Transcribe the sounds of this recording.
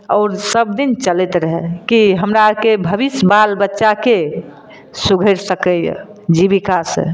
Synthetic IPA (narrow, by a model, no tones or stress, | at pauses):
ɔːɾsəb̚d̪int͡ʃəlɛt̪ɾəɦɛkiɦəmɾakebʱəbisbalbətːʃake | suɡʱəɾsəkəjə̰d͡ʒibikasə̰̃